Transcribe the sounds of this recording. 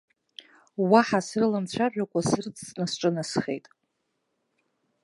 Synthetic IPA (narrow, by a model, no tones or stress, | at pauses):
waħasrɨlamt͡ɕʷʰaʒʷᶣakʷʼasɨrt͡sʰʼːnɨsʈ͡ʂʼɨnasχe̞̰jtʼ